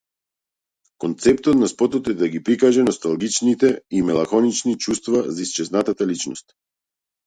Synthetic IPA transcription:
kɔnt̪sɛpt̪ɔt̪naspɔt̪ɔt̪ɛd̪aɡipɾikaʒɛnɔst̪alˠɡit͡ʃnit̪ɛimɛlˠaxɔnit͡ʃnit͡ʃust̪vazaist͡ʃɛznat̪at̪alit͡ʃnɔ̰st̪

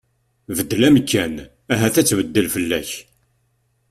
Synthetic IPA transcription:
vəd̪ːlæmkːæn | æɦæθæt͡sːvəd̪ːəlfəlːæ̰ç

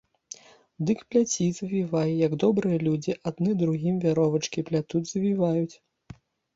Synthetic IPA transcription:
d̪ɨkpʲlʲat͡sʲizɐvʲivajɛjɐɡd̪ɔbɾɨjɐlʲud͡zʲiʔad̪nɨd̪ɾuɣʲimvʲaɾɔvɐt͡ʂkʲiplʲat̪udʲzɐvʲivajut͡sʲ

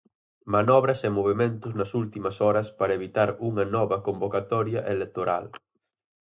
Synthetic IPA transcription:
manɔβɾɐsemoβemẽnt̪ʊznɐsult̪imɐsɔɾɐspaɾɐeβit̪aɾuŋɐnɔβɐkombokat̪ɔɾjɐʔelek̚t̪oɾa̰l

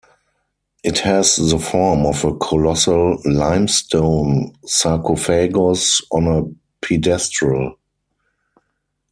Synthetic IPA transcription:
ʔɪthɛzðəfɔɹmɔvəkʰɔlɔsəllãɪ̃mstʰõʊ̃nsakʰofeɡosɔ̃nə | pʰidɛstɹəl

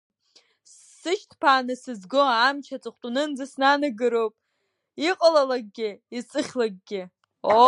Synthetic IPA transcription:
sːɨʃtʰpʰaːnɨsɨzɡoamt͡ʃʰat͡sʼɨχʷtʼunɨnd͡zasnanɨɡɨɾowpʼ | iqʼalalaɡ̚ɡʲɪit͡sʼɨχʲlaɡ̚ɡʲɪ | o

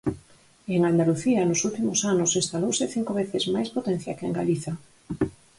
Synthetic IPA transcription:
eŋand̪aluθiɐnʊsult̪imʊsanʊsĩst̪alowsɪθiŋkoβ̞eθɪzmajspot̪ẽn̟θjakeŋɡaliθɐ

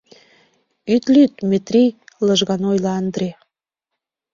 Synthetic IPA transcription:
yt̪lyt̪̚met̪ɾijləʒɣɑnojlɑɑnd̪ɾe

